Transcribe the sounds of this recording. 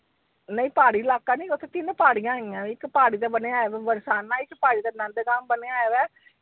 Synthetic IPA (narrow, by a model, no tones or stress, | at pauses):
nəĩːpaːɽilaːkːaːnĩːkot̪ẽt̪ɪnpaːɽijãːɪãːɪkːpaːɽiːt̪eːbəneaːjeʋɛːʋəɾsaːnãːɪkːpaːɽiːt̪eːnãnd̪ɡaːmbəneaːjeʋɛː